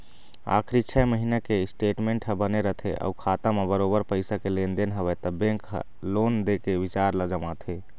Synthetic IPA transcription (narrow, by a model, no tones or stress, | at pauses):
a̰kʰɾit͡ʃʰɛməɦinakesʈeʈmẽɳʈɦəbəneɾəɦt̪ʰeʔə̰ukʰat̪ãmebəɾobəɾpəɪsakelend̪enɦəβɛt̪ɔbẽŋkɦ | lond̪ekebit͡ʃaɾləd͡ʒəmat̪ʰe